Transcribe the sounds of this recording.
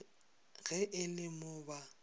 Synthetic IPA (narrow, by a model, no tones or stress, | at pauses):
ɣɛʔɪlɪmʊːba